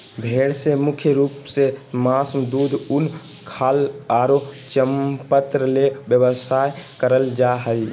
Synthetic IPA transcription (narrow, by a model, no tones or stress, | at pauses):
bʱeɽsemukʰjəɾupsemasmd̪ud̪ʱun | kʰaːlaɾo | t͡ʃəmpət̪ɾəlebjəbəsajkəɾəld͡ʒaɦəl